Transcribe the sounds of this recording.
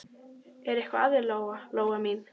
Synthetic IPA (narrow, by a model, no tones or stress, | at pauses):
ɛɾɛhkvaaðɪɾloːwɣaloːwɣamin